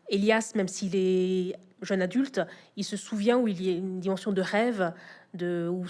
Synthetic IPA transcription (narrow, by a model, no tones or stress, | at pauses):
eljasmɛmsilɛ | ʒənad̪ylt̪ilsəsuvjɛ̃uiliaynd̪imɑ̃sjɔ̃d̪əʁɛvd̪əu